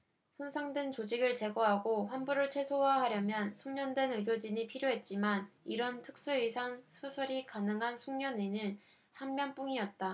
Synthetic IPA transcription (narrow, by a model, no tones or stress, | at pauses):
sʰonsʰaŋdwent͡ɕod͡ʑiɡɯɭt͡ɕe̞ɡoɦaɡoɸwanbuɾɯɭt͡ɕʰwe̞sʰowaɦaɾjʌmjʌnsʰuŋɲʌndwe̞nɯɡjod͡ʑiɲipʰiɾjoɦe̞t̚t͡ɕ͈imaniɾʌntʰɯk̚s͈uisʰaŋsʰusʰɯɾikanɯŋɦansʰuŋɲʌninɯn | hammjʌnp͈uŋiʌt̚t͈a